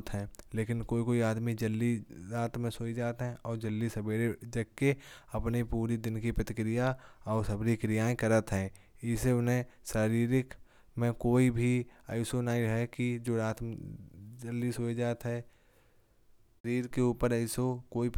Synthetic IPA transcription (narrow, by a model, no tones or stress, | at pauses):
t̪ɦɛ̃ːleːkɪnkoːikoːiaːd̪mid͡ʒəlːiɾaːt̪mẽsoːid͡ʒaːt̪ɦɛ̃ʔɔːɾd͡ʒəlːisəbeːɾed͡ʒəɡ̚keɐpnepuːɾid̪ɪnkipɾət̪ɪkɾɪjaɔːɾsəbɾikɾɪjaːẽkəɾət̪ɦɛ̃ː | ɪseʊnɦẽʃaːɾiːɾɪk | mẽkoːibʱiəɪsonaːiɦɛkid͡ʒoːɾaːt̪ | d͡ʒəlːisoːid͡ʒaːt̪ɦɛ̃ | ɾiːɾkeuːpəɾəɪsokoːip